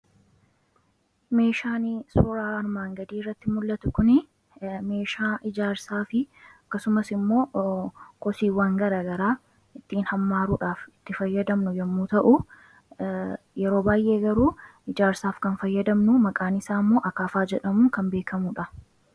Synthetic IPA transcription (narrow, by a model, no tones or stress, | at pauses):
me̞ːʃaːnisʊɾaːɐɾmaːŋɡɐd̪iːrːɐt̪ːɪmʊlːɐt̪ʊkʊnɪ | me̞ːʃaːʔɪd͡ʒaːɾsaːfɪɐkːɐsʊmɐsɪmːo̞ː | kɔsiːwaːŋɡɐɾaːɡɐɾaː | ɪt̪ːiːnhɐmːaːɾuːᶑaːfɪt̪ːɪfɐjːɐd̪ɐmnʊjɛmːuːt̪ɐʔu | jɛɾo̞ːbaːjʔe̞ːɡɐɾuːɪd͡ʒaːɾsaːfkɐnfɐjːɐd̪ɐmnʊmɐkʼaːnɪsaːmːoːʔɐkaːfaːd͡ʒɛᶑɐmuːkɐmbeːkʰɐmuᶑɐ